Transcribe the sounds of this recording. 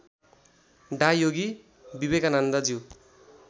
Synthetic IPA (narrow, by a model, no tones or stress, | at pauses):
ɖajjoɡi | bibekanand̪ʌd͡ziw